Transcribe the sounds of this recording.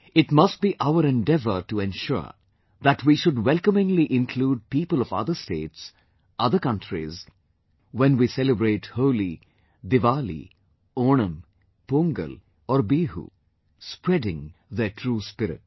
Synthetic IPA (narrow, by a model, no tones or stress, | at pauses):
ɪʈmʌst̚biːʔaʊəɾɛ̃ndɛvə̰ʈuɛ̃nʃʊ̰ɹ | ðæʈwiʃʊɖwɛlkəmɪ̃ŋliʔɪ̃nkʰluːɖ̚piːpəlɔvʌ̰d̪əsteːts | ʔʌðəɾkʌ̃ntʰɾḭz | wɛ̃nwisɛləbɾeːʈhoʊli | d̪ɪʋaːlḭ | oːnə̃m | põŋɡə̰l | ɔɾbiːɦṵː | spɾɛdɪ̃ŋðəʈʰɾuːspɪɾɪ̰t̚